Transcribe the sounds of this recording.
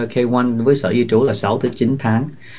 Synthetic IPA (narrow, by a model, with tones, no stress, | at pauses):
kʰe˧jwa˧nvəː˨˦jsə̰ː˧˨zi˧t͡ɕu˧˦laː˨˩sa˨˦wt̪ʰɨ˨˦t͡ɕi˨˦nt̪ʰaː˨˦ŋ